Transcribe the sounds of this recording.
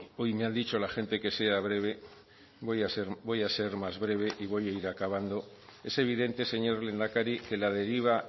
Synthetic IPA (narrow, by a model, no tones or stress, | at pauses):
o̞jmeand̪it͡ʃo̞laxe̞nt̪e̞ke̞se̞aβɾe̞βe̞ | βo̞jaseɾbo̞jase̞ɾmazβɾe̞β̞e̞ʔiβ̞o̞jaiɾakaβand̪o̞ | e̞se̞β̞iðe̞nt̪e̞se̞ɲo̞ɾle̞nd̪akaɾike̞laðe̞ɾiβ̞a